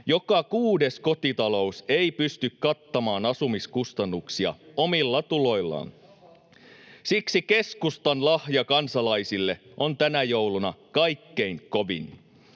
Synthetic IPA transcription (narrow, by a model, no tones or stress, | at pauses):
jo̞kɑkuːde̞sko̞t̪it̪ɑlo̞useipyst̪ykkɑt̪ːɑmɑːnɑsumiskust̪ɑnːuksiɑ̰omilːɑt̪ulo̞jlːɑ̰n | siksike̞skust̪ɑnlɑhjɑkɑnsɑlɑjsilːe̞ʔont̪ænæjo̞wlunɑkɑjkːe̞iŋkoʋḭn